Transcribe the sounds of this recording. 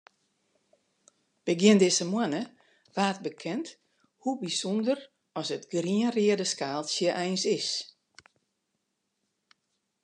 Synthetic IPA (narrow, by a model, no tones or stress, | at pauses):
b̥əɡɪəndɪsəmwanə | ʋaːt̚bəkʰɛnt | hubisɔndər | ɔsətɡriənriədəskaːlˠsjəʔɛjnsɪs